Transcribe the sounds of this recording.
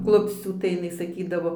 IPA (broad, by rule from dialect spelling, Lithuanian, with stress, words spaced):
ˈklˠʊpʲsʲt͡sʲuː tɐɪ jɪˈnɐɪ sɐˈkʲiːdɐʋoː